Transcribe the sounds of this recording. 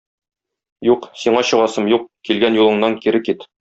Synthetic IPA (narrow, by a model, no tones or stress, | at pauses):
juqsiɴɑɕɤ̆ʁɑsɤmjuq̚kilɡænjulˠɤ̆ɴnɑŋkiɾɘkit̪